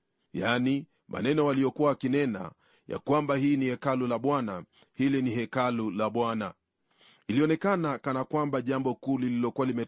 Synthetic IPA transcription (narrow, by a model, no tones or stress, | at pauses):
jaːni | mʔa̰nɛnɔwalijɔkuwawakinɛna̰ | ja̰kwambaɦiːnihɛkalulaɓwana | hilinihɛkalulaɓwana̰ | iliɔnɛkanakanakwambaʄambɔkuːlililɔkuwalimɛ